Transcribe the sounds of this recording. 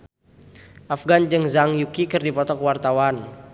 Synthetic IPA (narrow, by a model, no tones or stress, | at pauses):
ʔafɡand͡ʒɨŋzaŋjukikɨrdipɔt̪ɔkwart̪awan